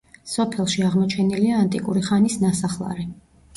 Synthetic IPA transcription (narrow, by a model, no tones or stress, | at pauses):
sɔpʰɛlˠʃiaʁmɔt͡ʃʰɛniliaːnt̪ʼikʼuɾiχanisnasaχlˠa̰ɾɛ